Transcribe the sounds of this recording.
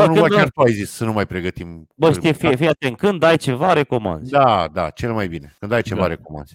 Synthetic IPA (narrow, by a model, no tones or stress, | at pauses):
anuməkʲart̪uajzissənumajpɾe̞ɡət̪imbəʃijefijefijat̪ent̪̚kɨnd̪ajt͡ʃe̞vaɾe̞ko̞mã̰nzz̥ʲd̪ad̪a̰t͡ʃe̞lmajbine̞kɨnd̪ajt͡ʃevaɾekoma̰nz̥ʲ